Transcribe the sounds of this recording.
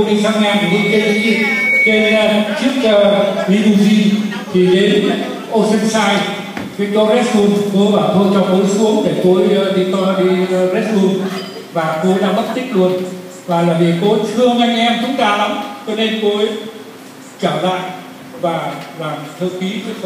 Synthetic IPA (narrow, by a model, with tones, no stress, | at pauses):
o˧ɗi˧saː˧ŋɲa˧nk̪ʰi˧˩hɨ̰˧əŋke˧t̪ɨ˨˦ɲi˧˩ke˨˦˧t͡ɕɨ˦˥ək̚ːli˧mu˧zi˧ | t̪ʰi˨˩ɗe˨˦n˦ | ʔo˧si˧nsaː˧j | ke˧˦k̪ɔ˧zɛ˦˥t̚su˧mko˧jɓaː˨˩t̪ʰo˧jt͡ɕɔ˧t̪o˨˦jsu˨˦əŋt̪e˧˩t̪o˧jɗi˧k̪ɔ˧ɓḭ˧zɛ˦˥su˧m | vaː˨˩t̪o˧jɗa̰ː˧ŋmə˦˥t̚t̪ï˦˥k̟̚ɗɨ˨˩ək̚ | vaː˨˩laː˨˩vi˨˩ko˧t̪ʰɨ˧əŋʔa˧jŋ̟ʔɛ˧mt̪ʰʊ˨˦ŋ͡mkaː˧˩la˨˦mt͡ɕɔ˧ne˧nko˧j | t͡ɕaː˧˩la̰ː˧˨j | vaː˨˩vaː˨˩t̪ʰɨ˧ki˨˦˨